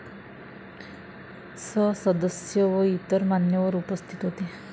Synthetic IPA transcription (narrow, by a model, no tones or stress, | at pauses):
sʌsʌd̪əsjɔʋɔit̪əɾmanjəʋɔɾupɔst̪ʰi̥t̪ɔɦot̪i